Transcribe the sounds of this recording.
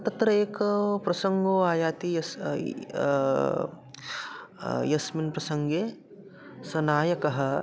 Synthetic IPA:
t̪ɐt̪ɾɐeːkpɾɐsɐŋɡoːaːjaːt̪iɐ | jɐsminpɾɐsɐŋɡe | sɐnaːjɐkɐɦɐ̆

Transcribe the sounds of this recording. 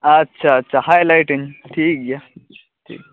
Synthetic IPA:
ɐtːɕʰaːtːɕʰahajlajʈiŋʈʰiːk̚ɡja | ʈʰḭːk̚

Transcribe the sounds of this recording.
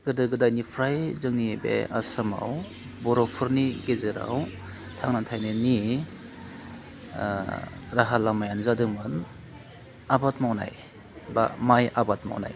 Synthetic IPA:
ɡ̥ɯdɯɡɯdajnipʰɾajzɯŋnibḛasɯma̰w | bɔɾɔpʰɯɾniɡezɯɾa̰w | tʰaŋnatʰajnɯni | ɾaɦalamajanzadɯŋmɯn | abatmawna̰j | ba̰majʔabat̚ma̰wna̰j

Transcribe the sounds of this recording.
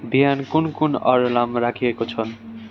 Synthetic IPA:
biɦankunkunʌɾlamɾakʰiekot͡sʰʌn

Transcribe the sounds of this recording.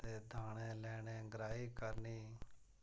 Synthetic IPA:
t̪eːd̪ʱaːɽẽːlɛːɽẽːɡɾaːiːkəɾniː

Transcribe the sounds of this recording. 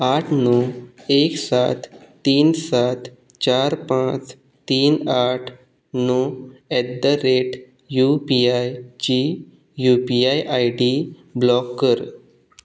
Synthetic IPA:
aʈʰnueksat̪ː | iːnsat̪ | t͡ɕaɾpãt͡s | t̪iːnaʈʰ | nuɛd̪əɾeʈ | jupiajt͡ɕi | jupiajʔajɖi | blɔkːəɾ

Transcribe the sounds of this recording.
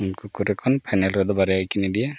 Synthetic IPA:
unkukuɾɛkʰɔnpʰajnɛlɾɔd̪ɔbaɾɛajkinid̪ijɛ

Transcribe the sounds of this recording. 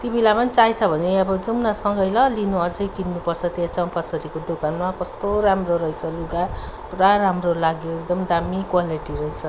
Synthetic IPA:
t̪jibilapʌnit͡sajt͡sʰʌbʱʌneʌbʌd͡zumnasʌŋɡʌjlʌlinuʌd͡zʌjkinnupʌrt͡sʰʌt̪jat͡saũpʌsʌɾikod̪okanmakʌst̪oɾamroɾʌjt͡sʰʌluɡa | puɾaɾamrolaɡjoek̚d̪ʌmd̪amikwaliʈiɾʌjt͡sʰʌ

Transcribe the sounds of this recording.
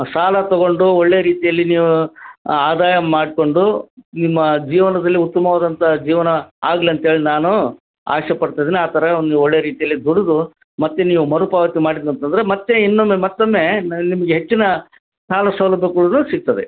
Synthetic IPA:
saːlɐt̪ɔɡo̞ɳɖuɔɭːejɐɾiːt̪ijɐlːiniːʋuaːd̪aːjɐmaːɽko̞ɳɖunimːɐd͡ʒiːʋɐnɐd̪ɐlːiut̪ːɐmɐʋaːd̪ɐnt̪ɐd͡ʒiːʋɐnɐaːɡliɐnt̪ɦeːɭinaːnu | a̰ːʂjɐpɐɽt̪ajid̪iːniaːt̪ʰɐɾɐnnioɭːejɐɾiːt̪ijɐlːid̪uɽud̪u | mɐt̪ːe̞niːʋumɐɾupaːʋɐt̪imaːɽid̪uɐnt̪ɐnd̪ɐɾe̞mɐt̪ːeinːomemɐt̪ːomːe̞ːnimɐɡeɦet͡ʃːinɐ | saːlɐsɐlɐbʱːɐkuɭunuːsiɡ̚t̪ɐd̪e

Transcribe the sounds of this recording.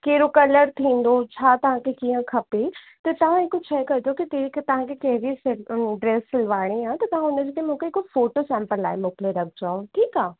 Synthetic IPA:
keːɾokɐləɾt̪ʰĩːn̆d̪ot͡ɕʰaːt̪ɐʋ̤ãkʰekiːə̃kʰɐpet̪ɐt̪ɐʋ̤ãɪkʊt͡ʃʰɐkɐt̪okit̪eikt̪ɐʋ̤ãkʰekɐ̃ɦʋisɖɾeːsɪlʋaːɽ̃eaːt̪ɐt̪ɐʋ̤ãʊnəd͡ʑkemũːkʰeɪkofoːʈosɛ̃ːmpəlla̰ːɪmoːkɪleɾɐkʰd͡ʑaːõʈʰiːkaː

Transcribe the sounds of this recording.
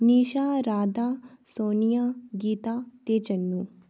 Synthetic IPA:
niːʃaːɾaːd̪aːsoːnijaɡiːt̪aːt̪eːt͡ʃɐnːuː

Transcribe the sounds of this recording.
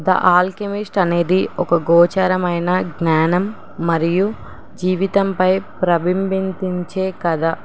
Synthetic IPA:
d̪ɐ̰ʔaːlkemisʈɐne̞ːd̪iɔkɐɡɔːt͡ʃaːɾɐmɐjnɐɡnaːnɐmː | ɐɾiju | d͡ʒiːʋit̪ɐmpɐjpɾɐbimbind̪iɲt͡ʃeːkɐd̪ɐ

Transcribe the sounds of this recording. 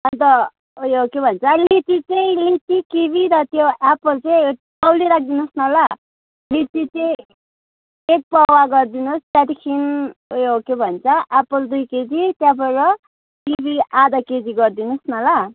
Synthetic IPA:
ʌnt̪ʌ | ojokebʱʌnt͡sʰʌlit̪it͡sʌĩlit͡sikibʱiɾʌt̪joʔapʌlt͡sʌj | ʌwliɾak̚ʰd̪inusnʌla | litit͡sʌĩ | ek̚pʌwaɡʌrd̪inust̪jat̪ikʰinojokebʱʌnt͡sʰʌʔapʌld̪ujked͡zit̪japʌɾʌ | kibʱiʔad̪ʌked͡ziɡʌrd̪inusnʌla

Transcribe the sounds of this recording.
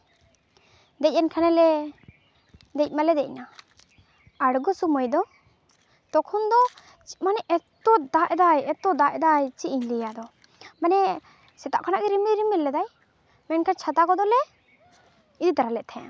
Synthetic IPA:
d̪ɛc̚ˀɛnkʰanɛlɛ | d̪ɛc̚ˀmalɛd̪ɛc̚na | aɽɡɔsumɔjd̪ɔ | t̪ɔkʰɔnd̪ɔ | t͡ʃi̥manɛʔɛt̪ɔd̪aʔɛd̪ajɛt̪ɔd̪aʔɛd̪ajt͡ʃiʔiɲlijad̪ɔ | manɛ | sɛt̪a̰ʔkʰanaʔɡɛɾimiɾimillɛd̪aj | mɛnkʰant͡ʃʰat̪akɔd̪ɔlɛ | id̪it̪aɾalɛʔt̪ʰɛ̃

